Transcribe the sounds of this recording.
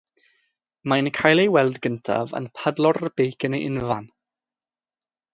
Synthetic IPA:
mankʰajlˠejwɛlˠdɡəntʰa̰və̰npʰədlˠɔrəb̥ejkʰənejʔɪnvan

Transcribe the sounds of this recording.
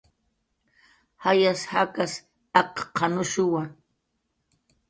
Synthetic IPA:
hajashakas | ɑqqːɑnʊʃʊwa

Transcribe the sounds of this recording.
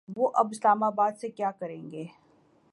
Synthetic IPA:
ʋoʔɐbɪslaːmaːbaːd̪sekjaːkɐɾẽːŋɡeː

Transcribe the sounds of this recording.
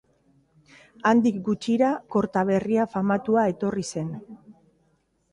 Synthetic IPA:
and̪ik̚ɡut͡ʃiɾako̞ɾt̪aβ̞e̞riafamat̪uae̞t̪o̞rise̞n

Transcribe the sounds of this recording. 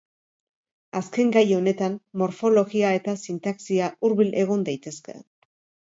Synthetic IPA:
aske̞ŋɡajo̞ne̞t̪ammo̞ɾfo̞lo̞ɣiae̞t̪asint̪aksiaʔuɾβilʔe̞ɣ̞o̞nd̪ajt̪e̞ske̞̰

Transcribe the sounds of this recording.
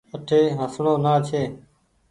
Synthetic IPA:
əʈʰeːɦəsɳoːnaːt͡ʃʰeː

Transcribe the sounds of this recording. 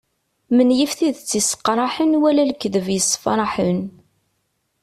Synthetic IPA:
mənjəfθiðt͡sːisə̥qːɾˤɑħənwælælkːðəvjəsːfɾˤɑħən

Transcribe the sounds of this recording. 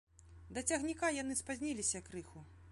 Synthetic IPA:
d̪ɐt͡sʲɐɣnʲikajan̪ɨspazʲnʲilʲisʲɐkɾɨxu

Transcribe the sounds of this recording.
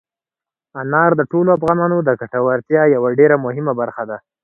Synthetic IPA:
anɑɾd̪əʈoloafɣɑnɑnod̪əkaʈawaɾt̪jɑjawaɖeɾamʊɦɪmabaɾxad̪a

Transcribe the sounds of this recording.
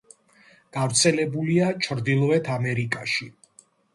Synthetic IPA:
ɡ̥avɾt̪sʰɛlɛbuliat͡ʃʰɾd̪ilˠvɛt̪ʰamɛɾikʼaʃi

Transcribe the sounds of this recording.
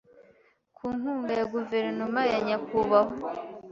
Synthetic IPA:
kʰuːŋuːŋɡajaɡuve̞ɾnomajaɲakuβaɦo

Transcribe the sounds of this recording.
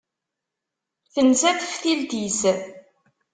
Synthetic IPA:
θənzæθə̥fθild̪iz

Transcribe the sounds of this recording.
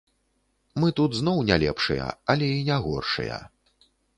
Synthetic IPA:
mɨt̪ut̪zn̪ɔwnʲalʲɛ̰pʂɨjɐ̰ɐlʲɛinʲaɣɔ̰rʂɨ̰jɐ̰

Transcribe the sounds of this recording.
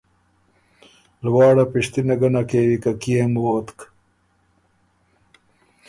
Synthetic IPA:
lwɑːɽapiʂt̪inɐɡɐnakeːwikakijemwoːt̪k

